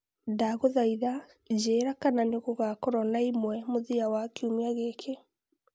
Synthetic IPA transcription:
daɣoðaiða | d͡ʑeːɾakananeɣoɣakɔɾɔnaimwɛmoðiawakeumiaɣekʰe

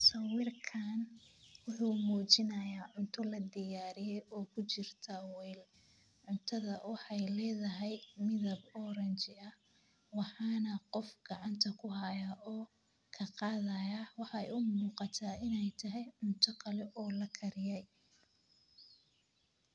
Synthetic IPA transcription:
sɐwɪrkʰaːnwʊħuːmuːt͡ʃɪnɐjaːʕʊnt̪ʰɔlɐd̪ɪjaːɾɪjɛjɔːkʰʊt͡ʃɪrt̪ʰɐwɛjl | ʕʊnt̪ʰɐðɐwɑħɑjlɛːðɐɦɛjmɪðɐbɔɾɐnt͡ʃɪɐ | wɑħɑːnɐqɔfɡ̥ɑʕɑnt̪ʰɐkʰʊɦɐjɐʔɔː | kʰɐqɑːðɐjaːwɑħɑɛ̰jʊmuːqɑt̪ʰaːɪnɛjt̪ʰɐɦɛjʕʊnt̪ʰɐkʰɐlɛʔɔːlɐkʰɐɾɪjɛj

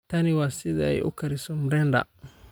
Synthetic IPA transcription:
t̪ɐnɪwasɪða̰ɛ̰jʔʊ̰kɐɾɪsɔmɾɛnda̰

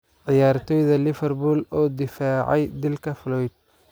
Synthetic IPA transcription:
ʕɪjaːrt̪ʰɔːjðɐlɪfɛrbuːlɔːd̪ɪfaːʕɑjd̪ɪlkʰɐflɔjd̪̚

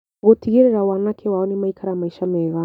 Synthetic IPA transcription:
ɡotiɣeɾɛɾawanakʰewaɔnimaikʰaɾamaiʃamɛɣa

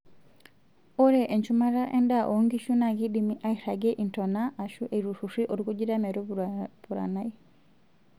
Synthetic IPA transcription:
ɔɾɛʔeɲt͡ʃumaɾaʔɛ̰ndaʔoŋɡiʃunaɡidimiʔaiɾaɡɛʔintɔnaʔːʃuʔeɾuɾuriʔoɾikuɟiɾamɛɾubuɾa̰nai

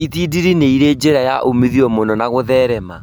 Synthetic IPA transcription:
iðidiɾineiɾed͡ʒeɾajaʔomiðiɔmonɔnaɣoðɛɾɛma

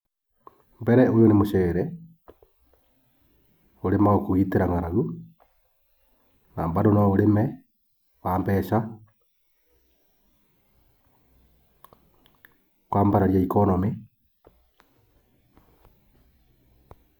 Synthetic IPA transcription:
mbɛɾɛojonemoʃɛːɾɛ | oɾemaokoɣiːteɾaŋaɾaɣu | naːmbadonaoɾemɛ | waːmbɛːʃa | kwaːmbaɾaɾjaikonɔmi

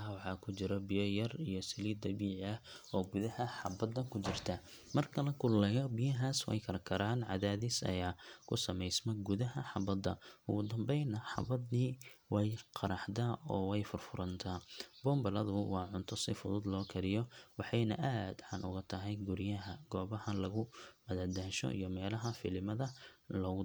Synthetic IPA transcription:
wɑħɑːkʰʊt͡ʃɪɾɔbɪjɔjɐrijɔsɪliːd̪ɐbiːʕɪɐɔːɡʊðɐhɐħɑbɐd̪ːɐkʰʊt͡ʃɪrt̪ʰɐ | mɐrkʰɐlɐkʰʊlmɛjɔbɪjɐɦaːswɛ̰jkʰɐɾɐkʰɐɾaːnʕɑ̰ðaːðɪsɐ̰jaːkʰʊsɐmɛjsmɔɡʊðɐɦɐħɑbɐd̪ɐ̰ʊɣʊd̪ɐmbɛjnɐħɑ̰bɐd̪nɪwɛjqʰɑɾɑħd̪aːɔːwɛjfʊrfʊɾɐnt̪ʰaːbɔːmbɐlɐðʊwɑːʕʊnt̪ʰɔsɪfʊðʊd̪lɔːkʰɐɾɪjɔwɑħɑjnɐ̰ʔaːd̪ħɑ̰nʔʊ̰ɣɐt̪ʰɐɦɛjɡʊɾɪjɐɦɐɡ̥ɔːβɐhɐlɐɣʊmɐðɐħd̪aːʃɔ̰ʔḭjɔmɛːlɐɦɐfɪlɪmɐðɐlɔːɣʊ

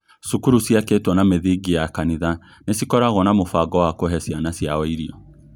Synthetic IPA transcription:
sukuɾusiaketwɔnameðiɡijakaniða | nesikɔɾaɣɔnamofaɡɔwakoɦɛsianasijaɔiɾiɔ

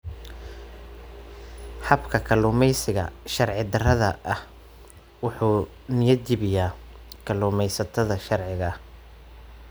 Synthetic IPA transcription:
ħɐbkʰɐkʰɐlʊːmɛjsɪɣɐ̰ʃɐrʕɪd̪ɐrɐðɐʔɐh | wʊħuː | nɪjɐd͡ʒɪβɪjaː | kʰɐlʊːmɛjsɐt̪ʰɐðɐʃɐrʕɪɣɐ

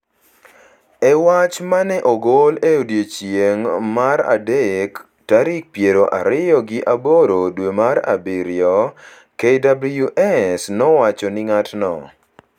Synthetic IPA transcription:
ɛwat͡ʃmanɛʔɔɡoleodjet͡ʃjeŋmaɾa̰dek | taɾik̚pjeɾoʔa̰ɾɪjɔɡɪʔaboɾodwemaɾa̰biɾɪjɔ | kedablujuʔɛsnɔwat͡ʃɔnɪŋatnɔ̰

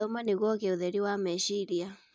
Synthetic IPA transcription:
ɔmaniɣɔkeuðɛɾiwamɛʃiɾia

